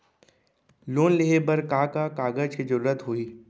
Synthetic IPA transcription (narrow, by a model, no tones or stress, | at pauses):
loːnleɦebəɾkaːkakaːɡəd͡ʒkid͡ʒəɾuːɾət̪ɦoiː